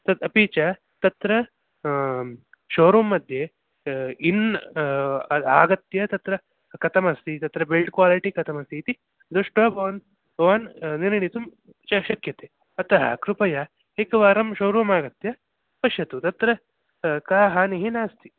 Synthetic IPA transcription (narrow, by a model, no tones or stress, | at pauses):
t̪ɐt̪ɐpiːt͡ʃɐ | t̪ɐt̪ɾɐ | ʃoːɾuːmːɐd̪ʱje | in | aːɡɐt̪jɐt̪ɐt̪ɾɐ | kɐt̪ʰɐmɐst̪it̪ɐt̪ɾɐbelʈkʋaːliʈikɐt̪ʰɐmɐst̪it̪i | d̪oʂʈɐbʱɐʋɐn | bɐʋɐnniɾɐɳit̪um | t͡ʃɐʃɐkjɐt̪e | ɐt̪ɐɦɐ̰kɾupɐjɐ | ekɐʋaːɾɐmʃoːɾuːmaːɡɐt̪jɐ | pɐʃjɐt̪ut̪ɐt̪ɾɐ | kaːɦaːniɦinaːst̪ʰi